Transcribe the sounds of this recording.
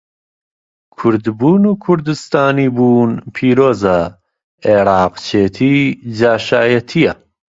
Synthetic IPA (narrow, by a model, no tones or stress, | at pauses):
kʰʊɾd̪buːnuːkʰʊɾd̪ɨst̪aːniːbuːnpʰiːɾoːzɐ | eːɾɑːqt͡ʃʰeːt̪ʰiːd͡ʒaːʃaːjɐt̪ʰijɐ